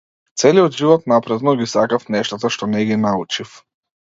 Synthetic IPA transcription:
t̪sɛliɔd̪ʒivɔt̪napɾɛd̪nɔɡisakafnɛʃt̪at̪aʃt̪ɔnɛɡinaut͡ʃif

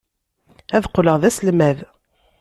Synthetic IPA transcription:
æðqləʁðæslmæð

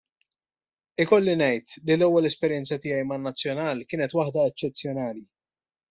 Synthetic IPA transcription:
ɪkɔlːinɛjt̪lilɛwːɛlɛspɛɾjɛnt͡sɐt̪ɪːjɐjmɐnːɐt͡sːjɔnɐːlkɪːnɛt̪wɐħd̪ɐɛt͡ʃːɛt͡sːjɔnɐːli

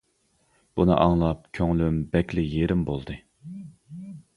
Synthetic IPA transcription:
b̥unɨ̰ʔɑŋlˠɑp̚kʲʰøŋlymbɛkʲlɪjeɾɪmbolˠd̪ɨ

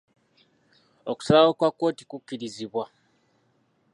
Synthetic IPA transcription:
oku̥salawokwakːo̞ːtikukːiɾiziβwa

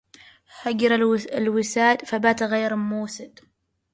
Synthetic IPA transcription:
haɡɾaɪlwɪsaːd̪fabaːt̪aɣeːɾɪmuːsɪd̪̥

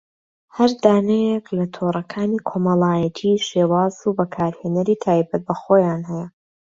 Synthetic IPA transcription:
hɐɾd̪aːnɛjeklɐt̪ʰorˤɐkʰaːniːkʰo̞mɐlˠaːjɐt̪ʰiːʃeːwaːzubɐkʰaːɾheːnɐɾiːt̪ʰaːjbɐt̪̚bɐxoːjaːnhɛjɛ

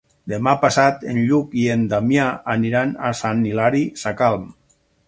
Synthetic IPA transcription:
d̪emapasat̪enʎukiend̪amjaaniɾanasanːilaɾisakalˠm

